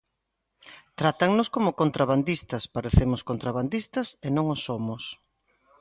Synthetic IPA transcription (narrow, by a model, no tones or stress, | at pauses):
t̪ɾat̪aŋnʊskomʊkont̪ɾaβand̪ist̪ɐspaɾeθemʊskont̪ɾaβand̪ist̪ɐsenõŋosːomʊs